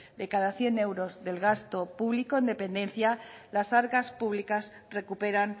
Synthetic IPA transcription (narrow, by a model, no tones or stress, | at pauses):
d̪e̞kaðaθje̞ne̞wɾo̞zðe̞lɣast̪o̞puβliko̞end̪e̞pẽ̞nd̪ẽ̞nθja | lasaɾɣaspuβlikas | re̞kupe̞ɾan